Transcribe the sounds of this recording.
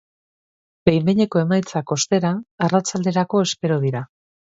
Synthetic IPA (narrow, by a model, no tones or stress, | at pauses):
b̥e̞jmbeɲe̞ko̞e̞majt͡sako̞st̪e̞ɾaːrat͡sald̪e̞ɾako̞e̞spe̞ɾoð̞iɾa